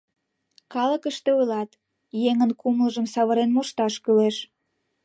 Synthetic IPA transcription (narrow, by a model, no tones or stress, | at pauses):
kɑləkəʃt̪eujlɑt̪ | jeŋənkumləʒəmsɑβəɾenmuʃt̪ɑʃkyleʃ